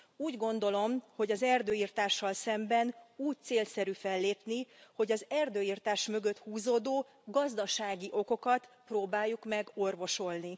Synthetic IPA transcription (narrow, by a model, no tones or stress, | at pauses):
uːɟɡo̞nd̪o̞lo̞mho̞ɟɒzɛrd̪øːiːrt̪aːʃːɒlsɛmbɛnuːc̚t̪seːlsɛɾyfɛlːeːpniho̞ɟɒzɛrd̪øːiːrt̪aːʃmø̞ɡø̞t̪huːzoːd̪oː | ɡɒzd̪ɒʃaːɡiʔo̞ko̞kɒt̪proːbaːjːukmɛɡo̞rvo̞ʃo̞lni